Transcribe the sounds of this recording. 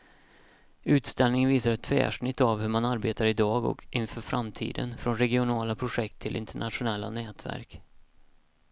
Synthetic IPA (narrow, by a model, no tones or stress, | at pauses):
ʉ̟ːt̪st̪ɛlnɪŋənviːsaɾɛt̪ʰːfɛ̰ːʂɳɪt̪ːavhɵmanaɾbeːt̪aɾɪd̪ɑːɡɔ̰kʰʔɪnfœːɾfɾamt̪ʰḭːd̪ə̰nfɾɔnɾɛɡɪʊnɑːlapʰɾʊɧɛk̚t̪ʰːɪlʔɪ̰nt̪ʰəɳat̪ɧʊnɛlːa̰nɛːt̪væ̰ɾk